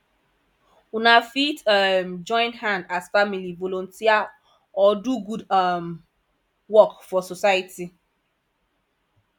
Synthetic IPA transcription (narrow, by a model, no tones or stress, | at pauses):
unafitmd͡ʒɔ̃ɪ̃nhãndasfamilivolõntia | ɔduɡudm | wɔkfɔsosajiti